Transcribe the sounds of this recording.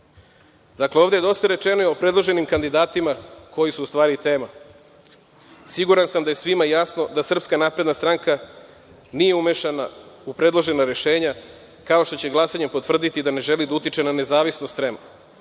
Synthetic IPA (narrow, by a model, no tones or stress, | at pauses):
d̪akleoʋd̪eed̪o̞st̪aɾe̞t͡ʃenojio̞pɾe̞d̪lˠo̞ʒe̞nimkand̪id̪aːt̪imakʰo̞jisuːst̪ʋaːɾit̪e̞ːma | siɡuɾansamd̪ajesʋimajasno̞d̪asr̩pskanaːpɾe̞d̪nast̪ɾaŋka | nije̞umeʃanaupɾe̞d̪lˠo̞ʒe̞naɾe̞ʃe̞ːɲa | kao̞ʃt̪o̞t͡ɕe̞ɡlˠasaɲempo̞t̪ʋr̩d̪it̪id̪ane̞ʒe̞lid̪aut̪it͡ʃe̞nane̞zaːʋisnost̪ɾemo